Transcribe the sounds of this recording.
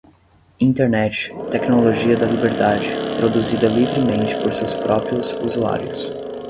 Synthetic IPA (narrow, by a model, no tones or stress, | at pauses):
ĩnt̪eɾnɛt͡ʃɪ̥t̪ɛknoloʒiɐd̪ɐlibeɾd̪ad͡ʒɪpɾod̪uzid̪ɐlivɾɪmẽnt͡ʃɪ̥poɾsewspɾɔpɾiʊzuzua̰ɾjʊs